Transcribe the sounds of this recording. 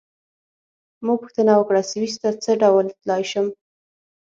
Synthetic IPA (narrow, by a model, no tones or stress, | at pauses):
muɡ̚pʊxt̪ənawəkɽasewist̪at͡səɖawlt̪lɑjʃəm